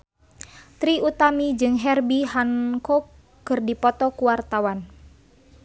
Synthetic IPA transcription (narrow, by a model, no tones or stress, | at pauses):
t̪ɾiut̪amid͡ʒɨŋɦɛrbiɦaŋkɔ | kːɨrdipɔt̪ɔkuwart̪awan